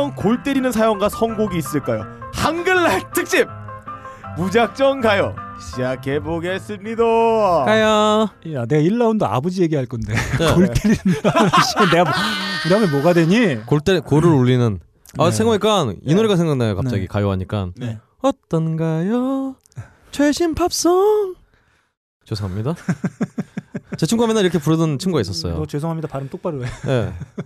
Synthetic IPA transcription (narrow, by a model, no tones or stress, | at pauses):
ʌnkoɭt͈eɾinɯns̬ʰajoŋɡasʰʌŋɡoɡiːs͈ɯɭk͈ajo̰haŋɡɯnːaɭtʰɯk̚ɕ͈ip̚ | mud͡ʑak̚t͡ɕ͈ʌŋɡajʌɕʰid͡ʑakʰeboɡes͈ɯmɲidokajojane̞ɡaiɭːaundoa̰bʌd͡ʑije̞ɡiɦaɭk͈ʌnde̞koɭt͈eɾinɯnʰanɕ͈ʰiɡʌnne̞ɡamkɯdamemoɡadwe̞ɲikoɭt͈ekoɾɯɾuʎːinɯn | asʰeŋwaik͈anḭnoɾeɡasʰe̞ŋɡaknajokap̚t͡ɕ͈aɡikajoɦaɲik͈an | ʌt͈ʌnɡajo | t͡ɕʰweɕʰimpʰap̚s͈ʌŋ | t͡ɕesʰoŋamɲida | t͡ɕet͡ɕʰimɡuɦamenaniɾʌkʰe̞puɾɯdɯnt͡ɕʰimɡuɡais͈ʌs͈ʌjo̰t͡ɕwesʰoŋɦamɲidapaɾɯmt͈ok̚p͈aɾoeje̞̰